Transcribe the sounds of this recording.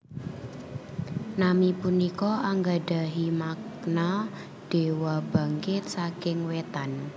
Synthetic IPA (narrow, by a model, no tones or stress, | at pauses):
namipunikɔʔaŋɡaɖa̤ɦimakna | ɖ̥e̤wɔba̤ŋkɪt̪̚sakɪŋwet̪an